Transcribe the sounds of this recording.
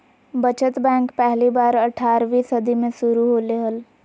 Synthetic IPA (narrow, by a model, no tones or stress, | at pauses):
bət͡ʃət̪bɛ̃ːŋkpɛɦlibaːɾəʈʰaːɾʋisəd̪ʱimẽsʊɾuɦoleɦəl